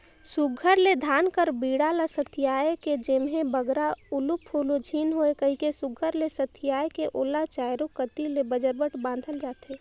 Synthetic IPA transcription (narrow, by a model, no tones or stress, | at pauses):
suɡʱəɾled̪ʱaːnkəɾbiːɽaləsət̪ʰɪjaːjeked͡ʒemɦẽbəɡɾaʊlupʰːoːlod͡ʒʱiːnɦoekəɦikesʊɡʱəɾlesət̪ʰɪjaːekeʔoːlat͡ʃaːjɾokət̪ilebəd͡ʒəɾbəʈbãːn̆d̪ʱəld͡ʒaːt̪eː